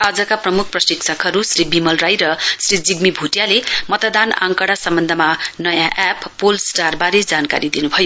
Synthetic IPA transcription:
ad͡zʌkaprʌmuk̚ʰprʌsiksʰʌkɦʌɾusribimʌlrajɾʌsrid͡ziɡmibʱuʈjalemʌt̪ʌd̪ana̰ŋkʌɽasʌmbʌnd̪ʱʌmanʌjãʔepːolsʈarbaɾed͡zanka̰ɾid̪inubʱʌjo

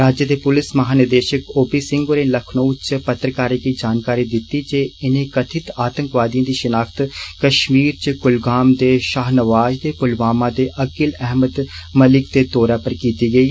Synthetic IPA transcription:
ɾaːd͡ʒjəd̪eːpʊlɪsməɦaːnɪd̪eːʃəkoːpisɪ̃ŋɡoːɾeləkʰnoːt͡ʃpət̪ɾəkaːɾeːkiːd͡ʒaːnkaːɾiːd̪ɪt̪ːiːd͡ʒeːɪnẽːkət̪ʰɪt̪aːt̪ə̃ŋkʋaːd̪ijãːd̪iːʃɪnaːkʰt̪kəʃmiːɾt͡ʃɡʊlɡaːmd̪eːʃaːɦnəʋaːd͡ʒd̪eːpʊlʋaːmãːd̪eːʔəkɪlɛːɦməd̪məlɪkd̪eːt̪oːɾaːpəɾkiːt̪iːɡəiː

